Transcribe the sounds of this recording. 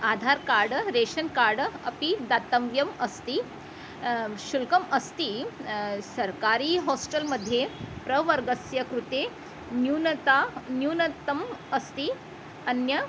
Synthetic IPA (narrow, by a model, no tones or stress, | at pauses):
ad̪ʱaɾkaɾɖɾeʂənkaɾɖɐ̰pid̪at̪əmʋjɐmɐst̪i | ɕulkəmɐst̪i | sɐɾkaɾiːɦɔsʈəlməd̪ʱjepɾəʋəɾɡəsjɐkɾut̪e | njunt̪anjunət̪əmɐst̪i | ɐnjə